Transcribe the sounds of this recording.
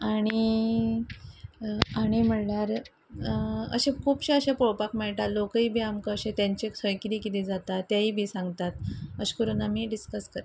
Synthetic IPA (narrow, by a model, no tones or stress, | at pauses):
aɽ̃i | aɽ̃im̤əɳljaɾ | ə̰ɕẽkʰuːpɕẽəɕepoɭpakmeɭʈalːokəiːbʱiːamkəːɕẽt̪jaɲt͡ɕeksʰəjkit̪ikit̪ĩd͡zat̪at̪ːjaiːbʱiːsãŋɡt̪at̪əɕkəɾuːnamiːɖiskəskəɾ